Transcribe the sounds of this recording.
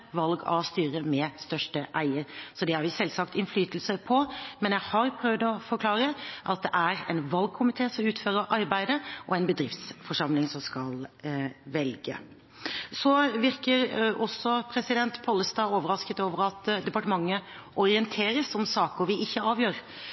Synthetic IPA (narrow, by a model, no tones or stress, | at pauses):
ʋɑlɡɑ̰ʋst̪yːɾəmɛst̪œʂʈəʔæɪəɾsɔd̪ɛhɑɾʋɪsɛlsɑkt̪ɪnflyːt̪l̩səpʰɔmɛnjæɪhɑɾpʰɾœʋd̪ɔfɔɾkʰlɑːɾəʔɑt̪̚d̪ɛʔæɾɛ̰ɪnʋɑlɡ̚kʰʊmɪt̪ʰeːsɔmʉːt̪føːɾəɾʔɑɾbæɪd̪əʔɔɛɪnbəd̪ɾɪft̪sfɔʂɑmlɪŋsɔmskɑl | ʋɛlɡə̰ | sɔʋɪɾkəɾʔɔsːɔpʰɾɛsɪd̪ɛnt̪pʰɔːlːəst̪ɑːoːʋəɾɑskət̪oːʋəɾɑt̪d̪ɛpɑʈəmɑŋːə | ʔɔɾɪənt̪ʰeːɾəsɔmsɑːkəɾʋɪʔɪçːəɑːʋjøːɾ